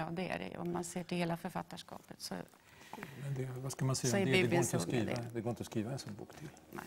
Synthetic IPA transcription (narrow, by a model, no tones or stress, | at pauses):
ɑːd̪ɛæ̰ɾɛ̰ɔ̰mːanseːʈɪlheːlafœɾfat̪ːaʂkɑ̰ːpət̪sɔ̰ | mɛnd̪ɛvaskamansɛjsːaɔɛɾbiːɛɡɛɪɔsɾiːd̪ad̪ɛɡoːɾɪnt̪əɔskɾiːvaɛnsɔnːbṵːkt̪ʰɪlnɛ̰